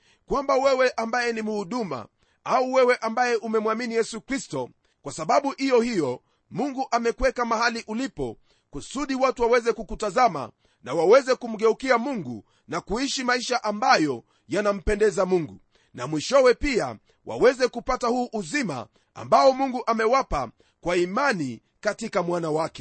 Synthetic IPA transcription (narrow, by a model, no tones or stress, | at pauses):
kwambawɛwɛʔambajɛnimuhuɗuma̰ | auwɛwɛʔambajɛʔumɛmwaminijɛsukɾistɔ | kwasaɓaɓuhijɔhijɔ | muŋɡuʔamɛkwɛkamahaliʔulipɔ̰ | kusuɗiwatuwawɛzɛkukutazama̰ | nawawɛzɛkum̩ɠɛukiamuŋɡṵ | nakuiʃimaiʃaʔambajɔ | janam̩pɛndɛzamuŋɡu | namwiʃɔwɛpia̰ | wʔa̰wɛzɛkupatahuːʔːzima̰ | a̰mbaɔmuŋɡuʔamɛwapa | kwaimani | katikamwanawakɛ̥